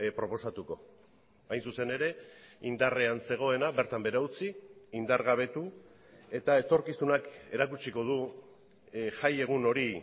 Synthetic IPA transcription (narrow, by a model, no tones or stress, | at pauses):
pɾo̞po̞sat̪uko̞ | ajnsuse̞ne̞ɾe̞ind̪are̞anse̞ɣ̞o̞e̞naβe̞ɾt̪ambeɾaut͡siind̪aɾɣaβ̞e̞t̪u | e̞t̪ae̞t̪o̞ɾkisunake̞ɾakut͡ʃiko̞ðu | ʝaje̞ɣ̞uno̞ɾi